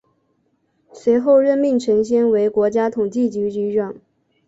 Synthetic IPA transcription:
swe˧˥ɪxo˥˧ʊɻə˥˧nmi˥˩ŋʈ͡ʂʰɤ˧˥ŋɕjɛ˥nwe˧˥ɪkwɔ˧˥t͡ɕja˥t̪ʰʊ˨˩ŋt͡ɕi˥˩t͡ɕy˧˥t͡ɕy˧˥ʈ͡ʂɑ˥˩˦ŋ

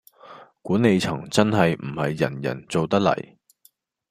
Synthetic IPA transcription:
kuː˨˥ne˨˧jt͡sʰɐ˨˩ŋt͡sɐ˥nɦɐ˨jm̩˨˩hɐ˨jːɐ̰˨˩njɐ̰˨˩nt͡so˨wt̪ɐ˥k̚lɐ̰˨˩j

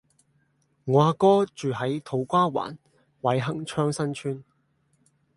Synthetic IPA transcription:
ŋaː˨˧kɔː˥t͡ʃyː˨ɦɐ˨˥jt̪ʰo˨˥wkʷaː˥wa̰ː˨˩n | wɐ˨˥jɦɐ˥ŋt͡ʃʰœː˥ŋsɐ˥nt͡ʃʰyː˥n

